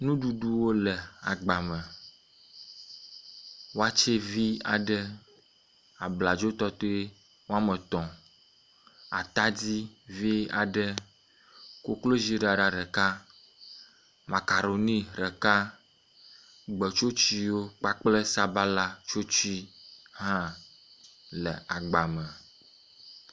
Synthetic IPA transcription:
nũ˦ɖu˦ɖu˦wo˦lɛ˨a̰˨ɡ͡ba˨mɛ˨ | wo˦a˦t͡ʃe˦vi˦a̰˨ɖə˦ | a˨bla˨d͡ʒo˦t̪ɔ˦t̪o˦e˦ | wo˦a˦mə˨t̪ɔ̃˨ | a̰˨t̪a˦d͡ʑi˦vi˦a̰˨ɖə˦ | ko˦klo˦zi˦ɖa˨ɖa˨ɾɛ˨ka˦ | ma˨ka˨ɾo˨nĩ˦ɾə˨ka˦ | ɡ͡bə˨t͡ʃo˦t͡ʃi˦wo˦k͡pa˦k͡plə˦sa˦ba˦la˦t͡ʃo˦t͡ʃi˦ɦã˦ | lə˨a˨ɡ͡ba˨mə̃˨

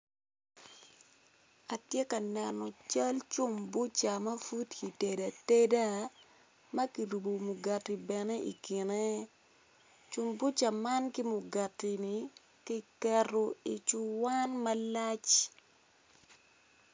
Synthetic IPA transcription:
a˨tje˦ka˨nɛ˨nɔ˨t͡ʃa˦lt͡ʃʊ˦mbʊ˦t͡ʃa˨mɐ˦fu˦tki˨te˨da˨te˦da˦ | mɐ˦ki˨ɾu˨bo˨mʊ˨ɡa˨tːi˨bɛ˨ne˦ḭ˨kɪ˨ne˦ | t͡ʃʊ˨mbʊ˦t͡ʃa˨ma˦nkɪ˦mʊ˨ɡa˨tːi˨ni˨ | ki˦kɛroi˨t͡ʃʊ˦wa˦nma˦la˦t͡ʃ

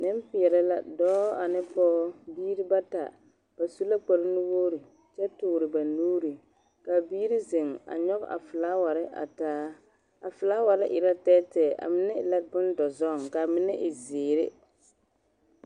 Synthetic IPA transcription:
nɪ˦m˦pɪ˨ɛ˨ɾɛ˦la̰˦dɔː˦a˨nɪ˦pɔː˦biː˦ɾi˦ba˦ta̰˨ | b̥a˨su˦la˦k͡pa˨ɾɪ˦nʊ˦woː˦ɾi˨ | t͡ʃɛ˦tʊː˨ɾɪ˨ba˨nuː˦ɾi˨ | ka˨biː˦ɾi˦ze˨ŋa̰˨ɲɔ˦ɣ̰ʔa̰˨fɪ˨laː˦wa˨ɾɪ˦ʔa̰˨taː˦ | a˨fɪ˨la˦wa˨ɾɪ˦ʔɪ˨ɾa˦tɛː˦tɛː˨ʔa̰˨mɪ˨nɛ˦ɪ˨la˦bɪ˦n˦dɔ˨zɔ˦˨ŋka˨mɪ˦nɛ˦ʔɪ˨zɪː˨ɾɪ̰˦

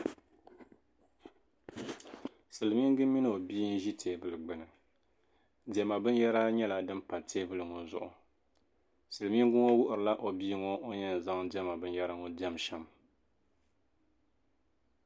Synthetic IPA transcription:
sɨ˨lɨ˨mi˦ŋɡɨ˦mi˦nɨ˦˨o˨biː˦n̩˦ʒi˦tʰeː˨˦bɨ˨lɨ˨ɡ͡bɨ˨nɨ˨ | dɛ˦ma˨bɨ˦n˦jɛ˦ɾa˦ɲɛ˦la˨dɨ˦mpa˨tʰeː˦bɨ˦lɨ˨ŋo˨zʊ̰˨ʔʊ˨ | sɨ˨lɨ˨mi˦ŋ˦ɡʊ˦ŋo˦wʊ˦ʔʊ˨ɾɨ˨la˦ʔo˨bi˦ŋo˦o˦ɲɛ˦n˨za˦ŋdɛ˦ma˨bɨ˦njɛ˦ɾa˦ŋo˦dɛ˦mʃɛ˨m

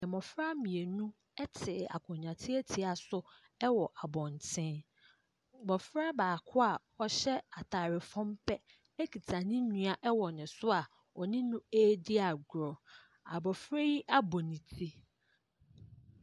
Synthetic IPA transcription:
ɛ̃˨mɔ̃˨fɾa˦mĩ˨e˨nũ˦ | ɛ˦tʰɪ˨a̰˨kʰɔ̃˨ɲᶣ˨ã˨tʰɪ˦e˦tʰi˨a˨sʊ˦ | ɛ˦wɔ˨ʔa˨bɔ̃˨n˨tʰɪ̃˦ | bɔ˨fɾa˦baː˨kʰʊ˦a˨ | ɔ˨ɕɛ˦a˨tʰaː˨ɾɪ˨fɔ̃˦mpʰɛ˦ | ɛ˦kʰi˨tʰa˨nɪ̃˦nũ˦a˨ʔɛ˦wɔ˨nɪ̃˨sʊ˦a˨ | ɔ˨nɪ̃˦nʊ̃˦eː˦di˦a˨ɡɾɔ˨ | a̰˨bɔ˨fɾe˦ji˦ʔa˦bɔ˨nĩ˨tʰi˦

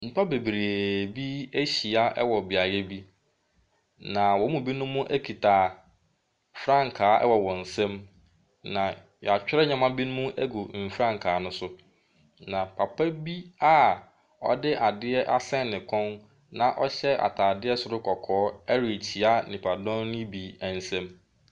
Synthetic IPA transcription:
m̩˨pʰa˦be˨bɾe˨bi˦e˦ɕi˨a˦ʔɛ˦wɔ˨bi˨a˨jɛ˦bi˦ | nã˨wɔ˨˦mũ˦bi˦nʊ̃˦mʊ̃˦ʔæ˦kʰi˨tʰa˨ | fɾã˦ŋ˨kʰaː˨˦ɛ̰˦wɔ˨wɔ̃˨n̩˨sɛ̃˦m | nã˨ | jɔ˨a˨t͡ɕᶣɪ˦ɾɛ˦ɲã˨mã˦bi˦nʊ̃˦mũ˦ʔæ˦ɡu˨m̩˨fɾã˦ŋ˨kʰaː˨˦nʊ̃˦sʊ˦ | nã˨pʰa˨pʰa˦bi˦a˦ | ɔ̰˦dɪ˦ʔa˨dɪ˦ɛ˦ʔa˦sɛ̃˦˨nnɪ̃˨kʰɔ̃˦n | nã˨ʔɔ˦ɕɛ˦a̰˨tʰaː˨dɪ˦ɛ˦sʊ˦ɾʊ˦kʰɔ˨kʰɔː˨˦ɛ˦ɾi˨t͡ɕʰi˨a˦nɪ̃˨pʰa˨dɔ̃˦nnɪ̃˦bi˨æ˨n̩˦sɛ̃˦m

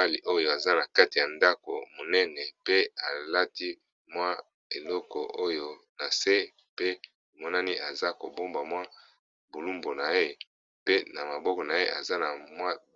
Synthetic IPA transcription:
a˦li˨ʔo˦jo˨a˨za˦na˨ka˦ti˨ja˨nda˦ko˨mo˨nɛ˦nɛ˨pe˦a˨la˦ti˦ | mwa˦ | e˨lɔ˦kɔ˨ʔo˦jo˦ | na˨se˦ | pe˦˨ | mɔ˦na˦ni˦ʔa˨za˦ko˨bo˦mba˨mwa˦ | bo˨lu˦mbo˨na˨e˦ | pe˦na˨ma˨bɔ˦kɔ˨na˨e˦ʔa̰˨za˦na˨mwa˦

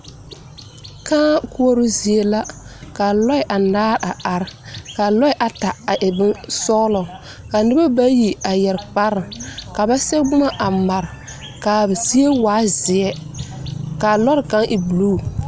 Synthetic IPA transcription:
kãː˦kʊ˦o˦ɾʊ˦zi˨e˦la˦ka˨lɔ˦ɪ˨˦ʔa˨naː˦ɾa˨a˨ɾka˨lɔ˦ɪ˦ʔa˨ta˨a˨ʔɪ˨bɪ˦nsɔː˦lɔ˨ | ka˨nɪ˦ba˦ba˦ji˨a˨jɛ˨ɾk͡pa˦ɾɪ˨ka˨ba˦sɛ˦ɡ͡bʊ˦ma˦ʔa˨ma˨ɾ | ka˨zi˦e˦waː˦zɪ˨ɛ˦ | ka˨lɔ˦ɾka˦ŋʔɪ˨bu˨luː˦˨

